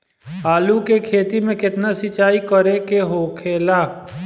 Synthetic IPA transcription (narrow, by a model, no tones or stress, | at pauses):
aːlukekʰeːt̪imẽkɪt̪nasɪt͡ʃaːikəɾekeɦoːkʰeːlaː